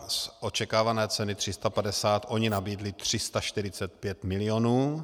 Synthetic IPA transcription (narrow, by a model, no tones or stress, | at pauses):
sʔo̞t͡ʃɛkaːvanɛːt͡sɛnɪt̪r̥ɪst̪apadɛsaːt̪ʔo̞ɲɪnabiːdlɪt̪r̝̥ɪst̪aʃt̪ɪɾɪt͡sɛt̪̚pjɛt̪mɪlɪo̞nuː